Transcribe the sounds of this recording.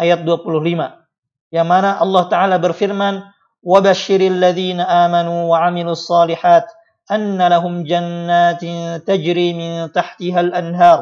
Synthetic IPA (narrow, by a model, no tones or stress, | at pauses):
ʔajat̪̚ˤd̪aq̪ːʊllɪma | jaːmanaʔɑlˤːɑːht̪aʕaːlaːbɪɾfɪɾman | wabaʃːɪɾalːaðiːnaʔaːmanuːwaʕamɪluːɑsˤːɑːlɪħaːt̪ | ʔanːalaɦʊmd͡ʒanːaːt̪t̪ad͡ʒɾiːmɪnt̪aħt̪ɪɦalʔanɦɑːɾˤ